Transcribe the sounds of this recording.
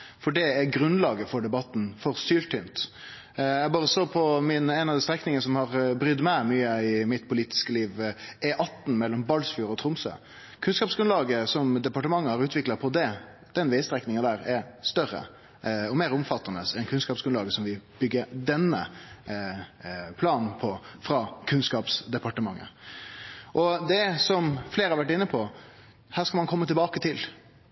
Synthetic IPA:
fɔɖɛæɾɡɾʉnlɑːɡəfɔɖɛbɑt̪ːn̩fɔɾsyːlʈ̪ʰʏmt̪ | jæbɑːɾəsoːpʰɔmɪnɛɪnɑd̪ɛst̪ɾɛknɪŋənəsɔmhɑɾbɾʏd̪mɛmyːəɪmɪt̪pʰʊliːt̪ɪ̥skəliːʋʔɛʔɑt̪ːn̩mɛlːɔmbɑlsfyːɾɔt̪ʰɾʊmsø̰ː | kʰʉnskɑːpsɡɾʉnlɑːɡəsɔmd̪ɛpɑʈəmɑŋːəhɑɾʉːt̪ʰʋɪklɑpʰɔd̪ɛ | d̪̥ɛnʋɛɪst̪ɾɛknɪŋɑd̪æːɾɛst̪œɾə̰ | ɔmeːɾʊmfɑt̪ːɑnəsɛnkʰʉnskɑːpsɡʉnɑːɡəsɔmʋɪb̥ʏɡːəɾd̪ɛnːə̰ | pʰlɑːnn̩pʰɔfɾɑkʰʉnskɑːpsd̪ɛpɑʈəmɑ̰ŋːə̰ | ʔɔd̪ɛsɔmfleːɾəhɑɾʋæʈ̬ɪnːəpʰɔ | hæːɾskɑlmɑnkʰɔmːət̪ʰɪlbɑːkət̪ʰɪl

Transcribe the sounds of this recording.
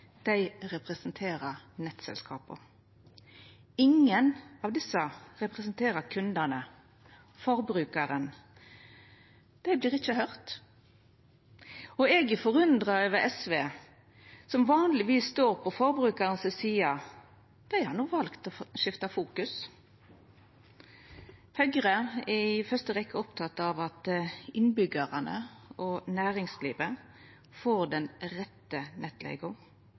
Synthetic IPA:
d̪̥æɪʁɛpʁɛsnt̪ʰeːɾəʁnɛt̪sɛ̰lskʰɑ̰ːpə̰ | ɪŋːənɑʋd̪ɪsːəʁɛpʁɛsnt̪ʰeːɾəɾkʰʉnd̪ənə | fɔʁbɾʉːkəɾən | d̪̥æɪbliːʁɪt͡ʃːəhœʁt̪ | ɔɛːɡɪfɔʁʉnd̪ʁɑəʋəʔɛsʋeː | sɔmʋɑːnlɪʋiːsst̪oːʁpʰɔfɔʁbʁʉːkɑʁnsəsiːɑ | d̪̥æɪhɑʁnuːʋɑlkt̪ɔʃɪft̪ɑfuːkʉs | hœɡʁəɪfœʁst̪əʁɛkːəɔpt̪ʰɑt̪ːɑʋɑt̪ɪnbʏɡəʁənə̰ɔnæːʁɪŋsliːʋə | foːʁd̪ɛnʁɛt̪ːənʔɛt̪lḛɪɡʊ

